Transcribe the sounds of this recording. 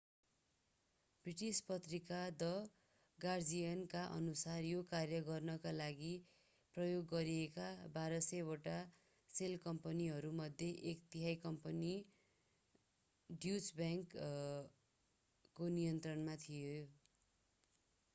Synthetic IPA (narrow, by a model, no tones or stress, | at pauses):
briʈispʌt̪rikad̪ʌ | ɡard͡zijʌnkaʔʌ̰nusarjokarjʌɡʌrnʌkalaɡi | prʌjoɡːʌɾiekabaɾʌseoʈa | selkʌmpʌniɦʌɾumʌd̪ʱjeʔekt̪iɦajkʌmpʌni | ɖjusbjaŋk | onijʌnt̪rʌnmat̪ʰijo